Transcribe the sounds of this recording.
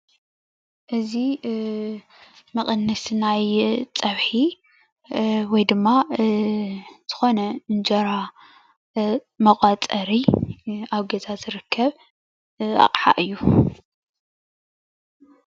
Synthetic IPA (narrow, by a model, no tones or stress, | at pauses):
ʔɨzi | mɐχʼɨnːɨsnajt͡sʼɐβħi | wɔjd̪ɨmːa | z̥ɨ̥xo̞nɐɨnd͡ʒɐɾa | mɐqʼɐt͡sʼɐɾi | aβɡɐzazɨɾɨkʰːɐβ | ʔa̰qʼħa̰ʔɨjːu